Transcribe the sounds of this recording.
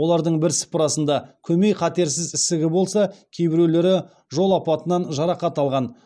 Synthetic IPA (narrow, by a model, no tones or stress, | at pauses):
wo̞lˠɑɾd̪əɴbɪɾsɪ̥pəɾɑsənd̪ɑkʲʰɵmejqʰɑt̪e̞ɾsɪzɪsɪɡʲɪbo̞lˠsɑkʲʰe̞jbɪɾele̞ɾɪ | ʒo̞lˠɑpɑt̪ənɑnʒɑɾɑqɑt̪ɑlˠʁɑn